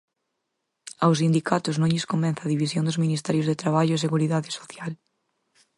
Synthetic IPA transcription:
aws̬ind̪ikat̪ʊznõŋʎɪskombɛ̃nθaðiβisjõnd̪ʊzminist̪ɛɾjʊzðet̪ɾaβaʎʊes̬eɣuɾiðaðɪso̥θjal

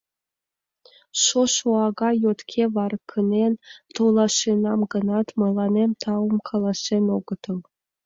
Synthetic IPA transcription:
ʃoʃuɑɡɑjot̪kʲʰeʋɑɾɤkʰːə̆nʲent̪olˠɑʃenɑmɡɤ̆nɑt̪mɤ̆lˠɑnʲemʲt̪ʰɑwəmkʰɑlˠɑsenoɡə̆t̪ɤ̆l

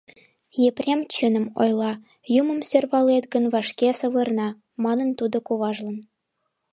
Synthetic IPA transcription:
jeprʲemt͡ɕønə̆mo̰jlˠɑ | jumə̆msʲørβɑlet̪ɡə̆nvɑʃkʲesɤ̆βɤ̆rnɑ | mɑnɤ̆nt̪ud̪ŏkoβɑʒlɤ̆n

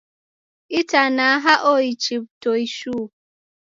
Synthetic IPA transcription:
itanaaɦaʔoit͡ʃip̚toiʃuː

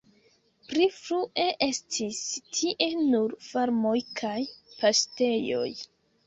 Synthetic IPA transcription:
plifɾuʔe̞ʔe̞stʰistʰiʔe̞nuɾfaɾmo̞jkʰajpʰaste̞jo̞̰j

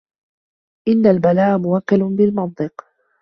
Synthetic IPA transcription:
ʔɪnːalbalaːʔmʊwakːalʊbɪlmɑt̪̚ˤɨq

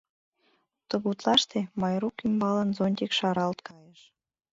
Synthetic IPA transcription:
t̪əɣut̪lɑʃt̪emɑjɾukymbɑlənzonʲt̪̬ʲikʃɑɾɑlt̪kʰɑjəʃ

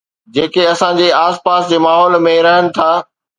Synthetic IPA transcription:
d͡ʑeːkeɐsãd͡ʑeaːspaːsd͡ʑeːmaːɦɔːlmẽɾɐɦənɪ̆t̪ʰaː

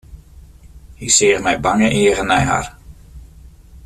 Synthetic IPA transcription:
hisɪːχmɛjbaŋəʔiːɣənɛjɦa̰r

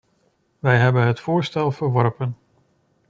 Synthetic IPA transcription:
ʋɛjɦɛbənɦətfʊːɹstɛlˠvəɹʋɔɹpən

